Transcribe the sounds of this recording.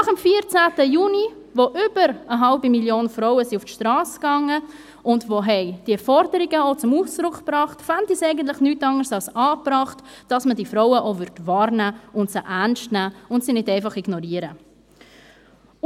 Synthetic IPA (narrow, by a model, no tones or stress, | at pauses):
nɑχəmfiəɾt͡sæːtəjuːni | voʔʏb̥əɾəɦɑlbimiljoːnfɾoʊəsiʊftʃtɾɑːsɡ̥ɑŋːə | ʔʊndvoːɦɛɪd̥iɛfɔɾdəɾiɡəot͡sʊmuːsd̥ɾʊkpɾɑːχtfandisɛɪɡən̩t̬lɪχnyːtɑŋəsɑlsɑːbɾɑːχtd̥ɑsmədifɾɔwəʔovʏɾdvɑːɾnæːʊntsəʔærnʃtnæːʊntsinɪdɛɪfɑχiɡnɔɾiəɾə